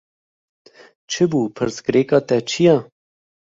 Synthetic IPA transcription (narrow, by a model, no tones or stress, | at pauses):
t͡ʃʰəbupʰəɾsɡɾeːkat̪ɛt͡ʃija